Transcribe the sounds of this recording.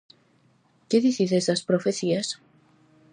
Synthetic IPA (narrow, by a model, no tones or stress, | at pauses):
keðiθisest̪aspɾofeθias